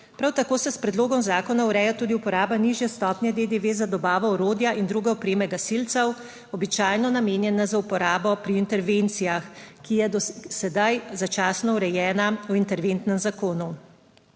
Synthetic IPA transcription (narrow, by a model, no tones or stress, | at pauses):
pɾawt̪akoːsɛspɾɛd̪loːɡɔmzaːkɔnauɾɛjat̪uːd̪iupɔɾaːbaniʒjɛst̪ɔːpnjɛd̪ed̪eʋeːzad̪ɔbaːʋɔɔɾoːd̪jaʔind̪ɾuːɡɛɔpɾeːmɛɡasilt̪sɛw | ɔbit͡ʃaːjnɔnameːnjɛnazaupɔɾaːbɔpɾiːnt̪ɛɾʋent̪sijaxkijɛd̪ɔsɛd̪ajzat͡ʃaːsnɔuɾɛjɛːnauint̪ɛɾʋent̪nɛmzakoːnu